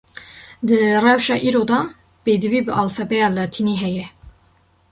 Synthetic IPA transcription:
d̪ɨrɛwʃɑːʔiːɾod̪ɑː | beːd̪ɨviːbɨʔɑːlfɛbɛjɑːlɑt̪ʰiniɦɛjɛ

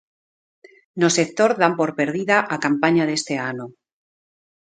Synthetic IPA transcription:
nosek̚t̪oɾðampoɾpeɾðiðaʔakampaɲaðe̞st̪eano

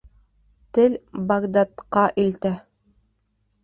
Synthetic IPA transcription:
t̪ɘlbaɡd̪at̪qɑʔilt̪æ

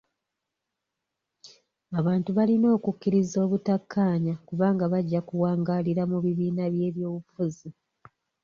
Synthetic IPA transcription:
aβaːntuβalino̞ːkukːiɾizo̞ːβutakʰːaːɲakuβaːŋɡaβaɟːakuwaːŋɡaːliɾamuβiβiːnaβje̞ːβjo̞ːβufuzi

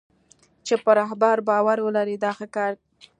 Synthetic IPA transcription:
t͡ʃepəɾaɦbaɾbɑwaɾwəlaɾid̪ɑxakɑɾ

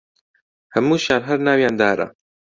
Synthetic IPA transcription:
hɐmuːʃjaːlɦɐɾnaːwjaːnd̪aːɾɐ̰

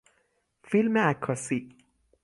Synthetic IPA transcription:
filməækʰɔsi

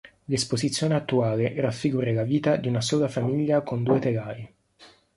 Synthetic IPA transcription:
lespozit̪sːjoːneat̪ːuaːleʔɾafːiɡuːɾelaviːt̪ad̪iunasoːlafamiʎːakond̪uːet̪elaːi

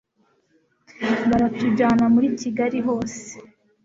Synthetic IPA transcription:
βaɾatuɟaːnamuɾiciɡaɾiɦo̞ːse̥

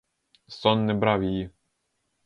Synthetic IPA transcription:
sɔnːɛbɾawjiji

